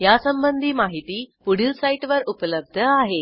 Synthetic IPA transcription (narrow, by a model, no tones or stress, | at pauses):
jasəmbənd̪ʱiːmaɦit̪iːpuɽ̤ilsaiʈʋəɾupləb̚d̪ʱəaɦe